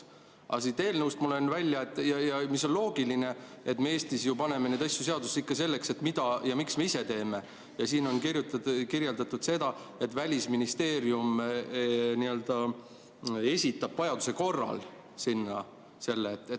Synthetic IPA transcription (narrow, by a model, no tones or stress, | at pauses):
ɑ̰sit̪e̞ːlnəwst̪mulonvælʲjɑet̪ːˑjɑjɑmisːo̞nlo̞ːɡ̥iline̞ | et̪ːmeeːst̪isjupɑne̞meneːd̪ɑsjuse̞ɑd̪usikːɑse̞lːe̞kse̞t̪mid̪̥ɑjɑmiksmeise̞t̪e̞ːme̞ | jɑsiːno̞nkirjut̪ɑkirje̞ld̪ɑt̪ːˑud̪̥se̞d̪̥ɑ | e̞t̪ːˑvælʲisminist̪e̞ːɾjum | niø̞ld̪̥ɑ | e̞sʲit̪ːˑɑb̥vɑjɑd̪use̞ko̞rːɑ̰l | sinːɑ | se̞lːeːt̪ːˑe